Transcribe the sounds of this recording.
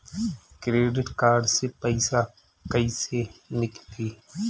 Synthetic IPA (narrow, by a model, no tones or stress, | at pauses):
kɾeːɖɪʈkaːɾɖsepəɪsa | kəisenɪkt̪iː